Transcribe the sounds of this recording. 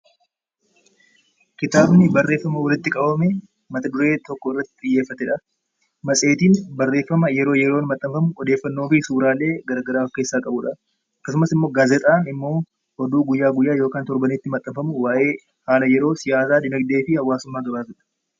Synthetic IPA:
kɪt̪aːbnɪbɐrːe̞ːfːɐmɐwɔlɪt̪ːɪkʼɐbɐmɛ | mɐt̪ɐd̪ʊɾe̞ːt̪ɔkːɔɪrːɐt̪ːɪ̥t̪ʼɪjːeːfːɐt̪ɛᶑɐ | mɐsʼe̞ːt̪iːnbɐrːeːfːɐmɐjɛɾo̞ːjɛɾoːnmɐt̪ʼːɐmfɐmʊɔd̪e̞ːfːɐnːo̞ːfɪsuːɾaːlːe̞ːɡɐɾaːɡɐɾaːɐfkːe̞ːsːaːkʼɐbʊᶑɐ | ɐkːɐsʊmɐsɪmːo̞ːɡaːzɛt̪ʼaːnɪmːo̞ː | hɔd̪uːɡʊjːaːɡʊjːaːjoːkaːnt̪ɔɾbɐnet̪ːɪmɐt̪ʼːɐmfɐmʊwaːʔe̞ː | haːlɐjɛɾo̞ːsɪjaːs̬aːd̪ɪnɐɡd̪e̞ːfɪhɐwːaːsʊmːaːɡ̪ɐɾaːt̪ʊᶑɐ̥

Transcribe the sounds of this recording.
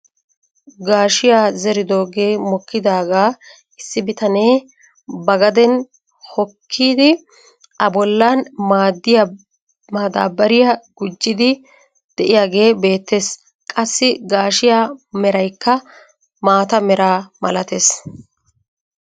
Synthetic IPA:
ɡaːʃɪjaːzɛɾɪd̪oːɡe̞ːmɔkːɪd̪aːɡaː | ɪsːɪbɪt̪ɐneː | bɐɡɐd̪ɛn | hɔkʰːiːd̪ɪ | ɐbɔlːanmaːd̪ːɪja | maːd̪a̰ːbɐɾɪjɐɡ̥ʊd͡ʒːɪd̪ɪ | d̪̥ɛʔɪjaːɡe̞ːbe̞ːt̪ːe̞ːs | kʼɐsːɪɡaːʃɪjaːmɛɾɐjkːɐ | maːt̪ɐmɛɾʔaːmɐlɐt̪eːs

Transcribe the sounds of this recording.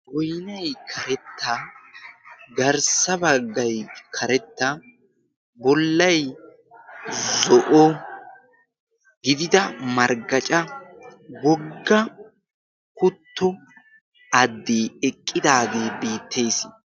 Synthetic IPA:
ʔɔjnɐjkʰɐɾɛt̪ːɐ | ɡɐɾsɐbɐɡːɐjkʰɐɾɛt̪ːɐ | bɔlːɐj | zɔʔɔ | ɡɪd̪ɪd̪ɐmɐɾɡɐt͡ʃʼɐ | ɡɔɡːɐ | kʊt̪ːɔ | ɐd̪ːiːɛkʼːɪd̪aːɡeːbiːt̪ʰːe̞ːs

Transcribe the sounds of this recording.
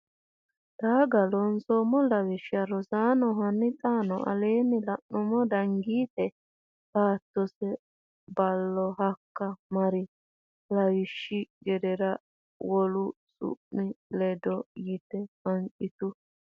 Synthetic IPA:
d̪̥aːɡɐlɔnsɔmɔlɐwɪʃaɾɔzaːnɔɦɐnːɪt̪ʼaːnɔʔɐ̰leːnːɪlɐʔnɔmɔd̪ɐŋɡiːt̪ɛ | laːt̪ːɔsɛ | bɐlːɔɦɐkːɐmɐɾɪ | lɐwɪʃːɪɡɛd̪ɛɾɐ | wɔlʊ | sʊ̰ʔmɪlɛd̪ɔjit̪ɛfɐŋt͡ʃʼɪt̪ʊ

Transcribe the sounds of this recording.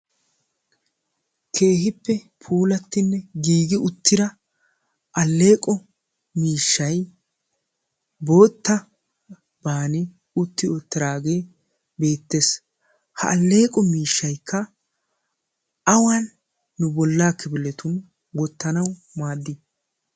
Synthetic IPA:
kʰe̞ːɦɪpːɛ | pʰuːlɐt̪ːɪnːɛɡiːɡɪʔʊt̪ːɪɾɐ | ʔɐlːe̞ːkʼɔ | miːʃːɐj | bo̞ːt̪ːɐ | baːnɪ | ʊt̪ːɪoːt̪ːɪɾaːɡe̞ː | be̞ːt̪ːeːs | hɐ̰ʔɐlːe̞ːkʼɔmiːʃːɐjkʰːɐ | ɐwɐnː | ʊbɔlːaːkʰːɪbɪlɛt̪ʊn | wɔt̪ːɐnɐw | maːd̪ːɪ

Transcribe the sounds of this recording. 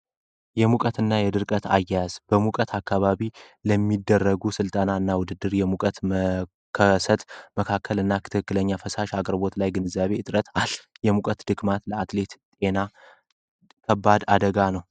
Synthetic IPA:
jɛmukʼət̪ɨnːajɛd̪ɨɾkʼət̪ʰa̰jːajaz̥bəmukʼət̪ʰakʰːaβaβi | ləmːid̪ːərːəɡusɨlt̪ʼanaɨnːawʊd̪ɨd̪ːɨɾjɛmukʼət̪m | kʰəsət̪məkʰakʰːəlɨnːakʰɨt̪ʰɨkɨkːɨləɲːafəsaʃakʼɾbo̞t̪lajɡɨnɨzːaβe̞ɨt̪ʼɾət̪ʰaljɛmukʼət̪d̪̥ɨɡmat̪ləat̪le̞t̪t̪ʼe̞na | kʰəbːad̪ad̪əɡanəw

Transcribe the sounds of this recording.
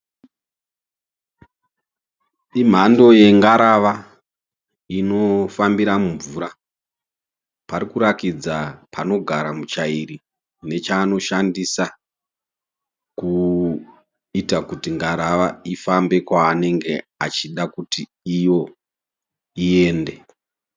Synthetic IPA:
im̤ando̞je̞ŋɡaɾaʋa | ino̞fambiɾamuɱvuːɾa | paɾikuɾakid͡zapʰano̞ɡʱaɾamut͡ʃaiɾi | ne̞t͡ʃaːno̞ʃandisa | ku | itakutiŋɡaɾaʋaifambe̞kwaːne̞ŋɡe̞at͡ʃiɗakutiː | jo̞ | ie̞ːnde

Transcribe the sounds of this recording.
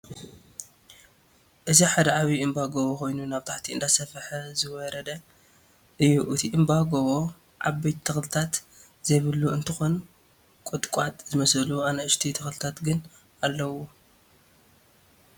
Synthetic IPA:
ʔɨziħad̪ɐʕaβiʔɨmbaɡoβoxo̞jnunaβt̪ʰaħt̪ʰiɨ̰nd̪ʰasɐfħɐzɨwɔɾɐd̪ɐ | ʔɨjːuʔɨt̪ʰiʔɨmbaɡoβo | ʕa̰bɐjt̪ʰɐxlɨt̪ʰat̪ | zɐjβɨlːuɨnt̪ʰɨxo̞n | kʷʼot̪ʼkʷʼat̪ʼzɨmɐsɨluanɐʔɨʃt̪ʰit̪ʰɐxlɨt̪ʰat̪ɡɨn | alːɐwu

